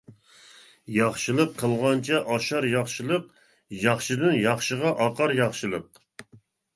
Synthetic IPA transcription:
jɑχʃɨlˠəqʰːəlˠʁɑnt͡ʃʰɛʔɑʃɑɾjɑχʃɨlˠəq | jɑχʃɨd̪ɨnjɑχʃəʁɑʔɑqʰɑɾjɑχʃɨlˠəq̚

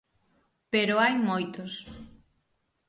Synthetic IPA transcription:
peɾoajmojt̪os

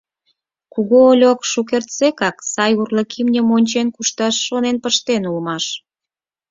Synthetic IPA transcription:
kuɣoolʲokʃuk̬ert̪sekɑksɑjurlə̆kʰimnʲə̆monʲt͡ɕenkuʃt̪ɑʃːonenpəʃt̪enulmɑʃ

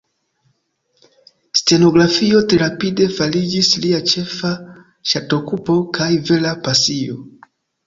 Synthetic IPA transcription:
ste̞no̞ɡɾafio̞tɾeɾapide̞falid͡ʒisliat͡ʃe̞fa | ʃato̞kupo̞kʰajve̞lapasio̞

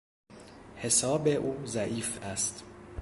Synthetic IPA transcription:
he̞sɒːbe̞ʔuːzæʔiːfæst̪

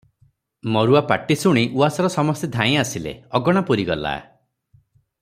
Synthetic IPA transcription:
mɔɾuapaʈisuɽ̃iʔuasɔɾɔsɔmɔst̪ed̪ʱãĩasilḛɔɡɔɽ̃apuɾiɡɔla̰

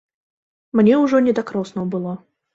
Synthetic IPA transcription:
mnʲɛuʐɔnʲɛd̪akɾɔsnɔwbɨlˠɔ

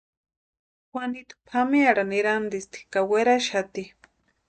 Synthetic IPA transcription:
xwʷanit̪u̥pʰamiaɾaniɾand̪ist̪i̥kaweɾaʃat̪i

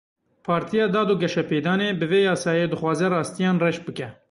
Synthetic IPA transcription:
pʰɑːɾt̪ʰijɑːd̪ɑːd̪uːɡɛʃɛpeːd̪ɑːneːbɨveːjɑːsɑːjed̪ɨxwɑːzɛrɑːst̪ijɑːnrɛʃbɨkɛ

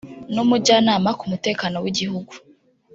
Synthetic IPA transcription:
numuɟanaːmakumute̞ːkano̞wiɟihuɡu

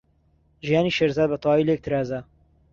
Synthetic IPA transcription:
ʒijaːniʃeːɾzaːd̪̚bɐt̪ʰˤwaːilek̚t̪ʰɨɾaːzɐ

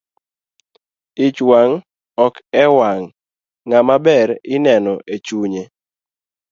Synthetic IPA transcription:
ɪt͡ʃwaŋ | ɔkɛwaŋː | amabɛɾɪnɛnɔʔet͡ʃuɲe

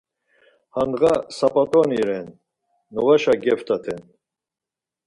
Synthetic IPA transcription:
hand̪ɣasapʼat̪ʼɔniɾɛnː | ɔvaʃaɡɛft̪ʰʼat̪ʰɛn

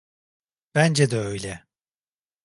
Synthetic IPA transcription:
b̥ænd͡ʒɛd̪ɛø̞jlʲɛ

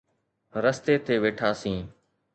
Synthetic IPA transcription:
ɾəst̪eːt̪ʰeːʋeːʈʰaːsĩː

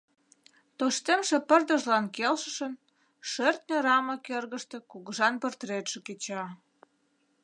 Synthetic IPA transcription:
t̪oʃt̪emʃĕpə̆rd̪ə̆ʒlɑnkelʃə̥̆ʃən | ʃørt̪nʲeɾɑməkerɣəʃt̪ĕkuɣəʒɑnpərt̪ɾet̪ʃĕket͡ɕɑ

